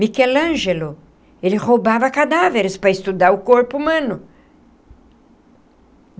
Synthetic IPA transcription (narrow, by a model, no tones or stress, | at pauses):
mikɛlɐ̃ʒelʊ | elɪhobavɐkad̪aveɾɪspɾɐɪst̪ud̪aɾʊkoɾpʊumɐ̃nʊ